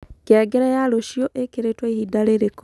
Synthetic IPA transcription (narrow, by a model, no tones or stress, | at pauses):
keaɡɛɾajaloʃjoʔekeɾetwaihidaɾeɾeko